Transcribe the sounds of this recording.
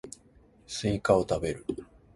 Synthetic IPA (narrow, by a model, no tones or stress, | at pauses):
sɨikao̞t̪abe̞ɾɯ̟